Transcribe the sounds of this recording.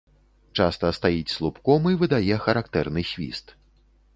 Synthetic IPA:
t͡ʂast̪ɐst̪ajit͡sʲslˠupkɔmɨjvɨd̪ajɛxɐɾakt̪ɛrnɨxʲvʲḭst̪

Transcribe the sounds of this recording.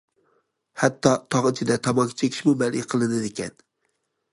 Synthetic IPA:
hæt̪ʰːɑt̪ʰɑʁɨt͡ʃʰɪd̪ɛt̪ʰɑmɑkʲʰi̥t͡ʃʰekʲʰi̥ʃmumɛlqʰəlˠɨnɪd̪ɪkʲɛn

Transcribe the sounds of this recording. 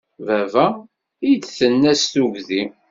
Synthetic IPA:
vævæ | it͡sθənːæsθuʝði

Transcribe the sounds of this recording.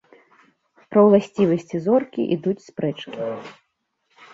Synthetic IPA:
pɾɐwlˠasʲt͡sʲivɐsʲt͡sʲizɔrkʲḭʔid̪ut͡sʲspɾɛt͡ʂkʲi

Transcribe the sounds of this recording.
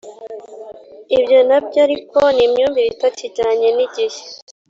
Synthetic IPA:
ibjonabɟaɾiko̞nimɲuːmbiβitaciɟaɲeniɟihe̥

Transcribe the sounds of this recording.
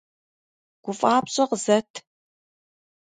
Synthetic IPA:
ɡ̥ʷʊfʼaːpɕʼɐqzɐtʰ

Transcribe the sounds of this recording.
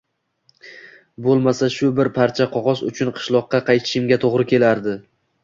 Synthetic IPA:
bolˠmasaʃʊbɪɾpʰaɾt͡ʃʰaqʰɒʁɒzʊ̰t͡ʃʰʊnqʰɨ̥ʃlˠɒq̚ːɑqʰɑjt̪ʰɪ̥ʃɪmɡʲat̪ʰoʁɾɪkʲʰe̞laɾd̪ɪ

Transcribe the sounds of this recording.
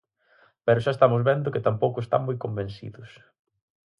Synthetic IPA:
pɛɾʊʃaest̪amʊzβɛnd̪ʊkɪt̪ampowkʊest̪a̰mmojkombẽnsḭðʊs

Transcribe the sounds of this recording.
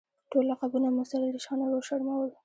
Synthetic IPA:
ʈolːaqabunamʊsaɾid̪iʃɑnaɾoʃaɽmawəl

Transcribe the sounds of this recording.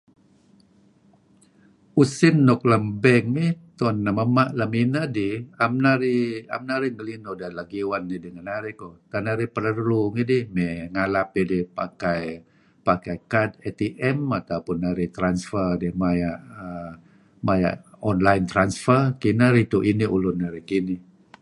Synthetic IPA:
usɪnːɔk̚ləmbɛŋit̪ɔnːaməmaʔlaminadiamnaɾia̰mnaɾiŋəlinodalaɡiwanːidiŋanaɾikot̪anaɾipəɾərluŋidihmɛŋalapidihpakaj | pakajkadɛt̪iʔɛmat̪awpʊnːaɾit̪ɾansfərdɪmajaʔə | maja̰ʔɔnlajnt̪ɾansfərkinaɾit̪uʔiniulʊnːaɾikini

